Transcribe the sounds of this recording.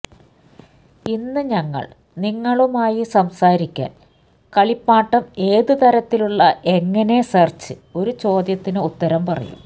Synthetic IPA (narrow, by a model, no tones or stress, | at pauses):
inːɨɲɐŋːɐ̰ɭ | niŋːɐɭumaːjisɐmsaːɾikʲːa̰ːn | kɐɭipːaːʈːɐme̞ːðɨt̪ɐɾɐt̪ːiluɭːɐʔe̞ŋːɐne̞sɐrt͡ɕːɨ | o̞ɾut͡ɕo̞ːd̪jɐt̪ːinɨut̪ːɐɾɐmpɐrɐ̰jṵm